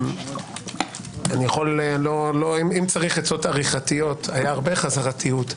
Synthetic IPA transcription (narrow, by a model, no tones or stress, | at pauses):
anijaχolloloimimt͡saʁiχet͡sotaʁiχatijo̞tajaːʁbe̞χazaʁatʰijut